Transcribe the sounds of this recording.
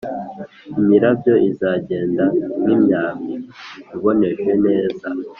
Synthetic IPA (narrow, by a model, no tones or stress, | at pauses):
imiɾabjo̞ʔizaːɟe̞ːndamimɲaːmiiβo̞ne̞ʃwe̞ne̞ːza